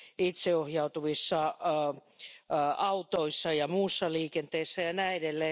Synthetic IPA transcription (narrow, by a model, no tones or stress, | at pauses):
it̪seohjɑut̪uʋisːɑ | ɑut̪oisːɑjɑmuːsːɑliːkent̪eisːæjɑnæiedelːeː